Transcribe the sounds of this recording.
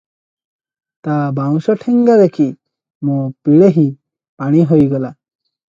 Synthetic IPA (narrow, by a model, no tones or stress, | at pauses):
t̪abaw̃sɔʈʰeŋɡaɾekʰi | mõpiɭeɦĩ | paɽ̃iɦojɡɔla